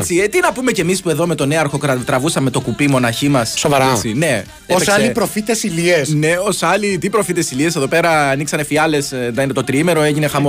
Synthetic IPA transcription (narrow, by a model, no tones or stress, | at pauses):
et͡ssiet̪inɐpume̞ce̞mispue̞ðo̞me̞t̪o̞neɐɾxo̞kɾɐt̪ɾɐvusɐme̞t̪o̞kupimo̞nɐçimɐssovɐɾɐt͡sine̞ | eoessɐlipɾo̞fit̪esiliesne̞o̞sɐlit̪ipɾo̞fit̪esilie̞seðo̞pe̞ɾɐːniksɐne̞fiɐle̞sðɐinet̪ot̪ɾiime̞ɾo̞eʝine̞xɐmo